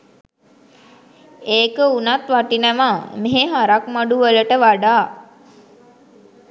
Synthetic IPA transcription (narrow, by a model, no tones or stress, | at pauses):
eːkəunat̪ʋaʈinəʋameɦeɦaɾak̚maɖuʋələʈəʋaɖaː